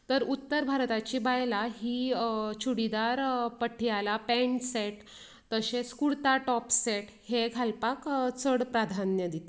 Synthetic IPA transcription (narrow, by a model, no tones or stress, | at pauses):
t̪əɾut̪ːəɾbʱaɾt̪at͡ɕibajlaɦiːt͡ɕʰuɽid̪aɾpəʈʰːijalapẽɳʈseʈ | t̪əɕet͡skuɽt̪aʈɔpseʈ | heɡʱalpakt͡səɽpɾad̪ʱanjəd̪it̪e